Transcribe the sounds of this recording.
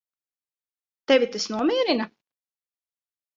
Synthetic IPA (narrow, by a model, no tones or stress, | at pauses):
t̪ɛvʲit̪ɨsnuɔmʲiɛɾina